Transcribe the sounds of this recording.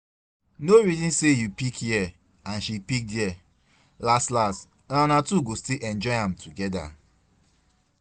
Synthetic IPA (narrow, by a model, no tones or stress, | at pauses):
noɹizɔ̃nsejupikjɛ | ãnʃipik̚dɛ | lastlast | lãnatuɡostilʔɛ̃nd͡ʒɔɪhãmtʰuɡɛda̰